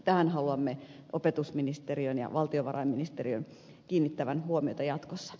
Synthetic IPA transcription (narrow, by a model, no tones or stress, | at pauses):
t̪æhænhɑluɑmːeʔopet̪usminist̪eriønjɑ̰ʋɑlt̪ioʋɑrɑ̰imminist̪eriøn | kiːnːit̪ːæʋænhuomiot̪ɑjɑt̪kosːɑ̥